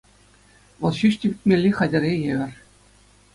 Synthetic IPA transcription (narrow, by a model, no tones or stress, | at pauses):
ʋɤ̆lˠɕyɕtʲibʲit̪̚ʲmʲelʲːiχɑdʲɘ̆ɾʲejeʋʲɘ̆rʲ